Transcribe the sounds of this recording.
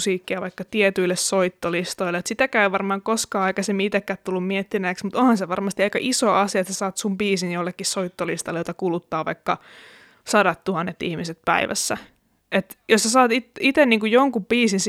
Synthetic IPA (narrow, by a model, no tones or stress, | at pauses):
siːkːiɑʋɑikːɑt̪iet̪yilːessoit̪ːolist̪oileet̪sit̪ækæyʋɑrmɑːŋkoskɑːɑikɑsemːiit̪ekːæt̪t̪ulːummiet̪ːinæːksmut̪onhɑnseʋɑrmɑst̪iɑikɑ̰ʔisoːɑsiɑet̪sæsɑːt̪sumpiːsinjolːekːissoit̪ːolist̪ɑlːjot̪ɑkulut̪ːɑːʋɑ̰ikːɑ | sɑɾɑt̪tuhɑnːet̪ːḭhmiset̪̚pæ̰iʋæ̰sːæ | et̪jossæsɑːt̪it̪it̪enniːŋkujjoŋkubiːsins